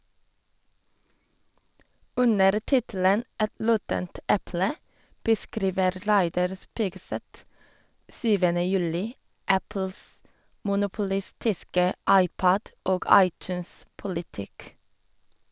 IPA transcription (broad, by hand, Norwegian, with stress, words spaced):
ˈʉnəɾ ˈtɪtl̩ən ˈɛt ˈlɔtənt ˈʔɛplə bəˈskɾiːʋəɾ ˈlæɪdɑɾ ˈspiːɡˌsɛt ˈsyːʋənə ˈjʉlɪ ˈæpl̩s mʊnʊpʊˈlɪstɪskə ˈɑɪˌpɔd ˈʔoːɡ ˈɑɪˌt͡ʃʉːnspʊlɪˌtɪk